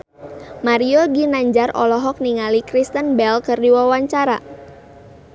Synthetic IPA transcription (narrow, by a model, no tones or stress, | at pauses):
maɾioɡinaɲd͡ʒarʔɔ̰lɔɦɔk̚niŋalikɾist̪ənbɛlkɨrdiwawaɲt͡ʃaɾa